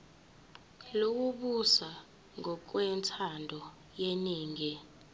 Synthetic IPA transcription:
lok̬uɓusa | ŋɔk̬wɛntʰandʱɔ | jeniːŋɛ

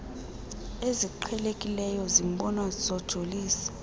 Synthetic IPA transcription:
eziǃʰɛlekʼilɛjɔzimɓɔnwaz̥ɔd̥ʒ̥ʱoliːsi̥

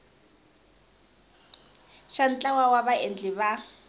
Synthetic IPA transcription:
ʃan̩t͡ɬʼawawaβaend͡ɮɪβa

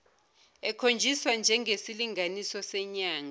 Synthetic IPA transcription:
ɛkʰond͡ʒʱiswand͡ʒʱɛŋesiliŋanisɔsɛɲaːŋa

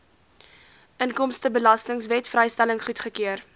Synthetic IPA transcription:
ʔənkɔmstəbəlɐstəŋsvɛtfrɛjstæləŋχutχəkiər

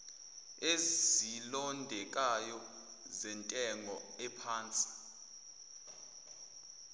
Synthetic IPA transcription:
ezilɔndʱɛk̬ʼajɔ | zɛntʼɛŋʱɔɛpʰaːnt͡sʼi̥

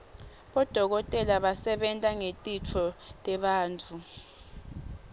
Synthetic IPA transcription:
ɓɔd̥ʱɔk̬ɔtʼɛlaɓasɛɓɛntʼaŋetʼit͡fʰɔtʼɛɓaːnt͡fʰu

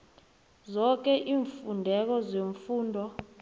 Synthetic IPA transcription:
zɔk̬ɛʔiːɱfundʱɛk̬ɔzeɱfuːndʱɔ

